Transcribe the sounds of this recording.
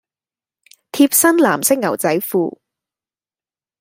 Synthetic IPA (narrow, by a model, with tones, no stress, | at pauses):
t̪ʰiː˧p̚sɐ˥nlaː˨˩msɪ˥k̚ŋɐ˨˩wt͡sɐ˨˥jfuː˧